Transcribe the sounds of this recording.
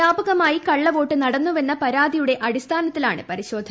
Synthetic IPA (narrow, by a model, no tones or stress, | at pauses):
aːbɐɣɐmaːjikɐɭːɐʋo̞ːʈːɨnɐɽɐnːuʋe̞nːɐpɐɾaːd̪ijuɽe̞ʔɐɽist̪ʰaːnɐt̪ːilaːɳɨ̰pɐɾiɕo̞ːd̪ʱɐ